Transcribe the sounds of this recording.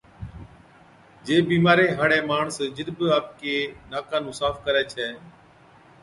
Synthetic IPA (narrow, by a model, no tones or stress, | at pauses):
d͡ʒeːbiːmaːɾeːɦəɽeːmaːɳsd͡ʒɪɾbaːp̚keːnaːkaːnũːsaːfkəɾɛːt͡ʃʰɛː